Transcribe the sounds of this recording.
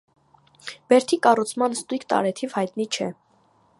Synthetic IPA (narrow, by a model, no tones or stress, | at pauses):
b̥ɛɾt̪ʰikɑrut͡sʰmɑnst̪ujkʰt̪ɑ̰ɾɛt̪ʰivhɑjt̪nit͡ʃʰɛ